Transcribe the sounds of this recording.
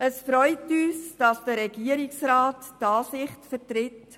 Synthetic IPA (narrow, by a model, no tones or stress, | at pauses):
əsfɾɔʏtyːsd̥ɑsd̥əɾɛɡiːəɾɪksɾaːtːɑːsɪχtfəɾtɾɪt